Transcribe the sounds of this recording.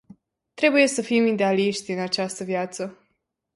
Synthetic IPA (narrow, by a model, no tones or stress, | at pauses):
t̪ɾe̞buje̞səfimid̪e̞aliʃt̪ʲɨnat͡ʃast̪əvjat̪sə